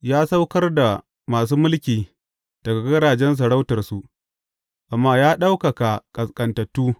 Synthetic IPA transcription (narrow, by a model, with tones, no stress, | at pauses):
jaː˦sa˦wkɐ˦rda˨ | maː˨s̬uː˦mʊ˦lkʲiː˨ | d̥ɐ˨ɡa˨ɡɐ˦ɽaː˨d͡ʒɛ˦ns̬ɐ˨ɽa˦wtɐ˨rsu˨ʔ | ʔa˨mːaː˦jaː˦ɗa˦wkɐ˨ka˨kʼɐ˨skʼɐ˨ntɐ˨tːuː˦